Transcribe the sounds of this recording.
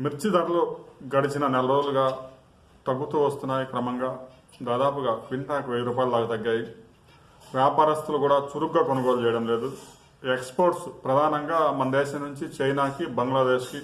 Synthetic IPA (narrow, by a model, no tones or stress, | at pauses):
miɾt͡ʃid̪aʈloːɡɐɽit͡ʃinɐnɛlɐɾoːluɡaː | t̪ɐɡːut̪uːʋɐst̪unːaːjikɾɐmɐŋɡaː | d̪aːd̪aːpuɡaːʋiɳʈaːkʋeɾuːp̬aːjlɐlaːɡɐt̪ɐɡːaːji | ʋjaːpaːɾɐst̪ulukuːɽaːt͡ʃuɾukɡaːkonukɔːlt͡ʃɛːjɐɽɐmle̞ːd̪u | ekspoːɾʈspɾɐd̪ʱaːnɐŋɡaːmɐnɐd̪eːʃɐnuɲt͡ʃit͡ʃɐjnaːkibɐŋɡlaːd̪eːʃki